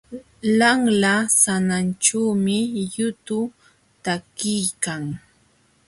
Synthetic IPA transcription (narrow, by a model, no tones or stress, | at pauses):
laŋlasanant͡ʃaːmɪjʊt̪ʊ | t̪akɪjkaŋ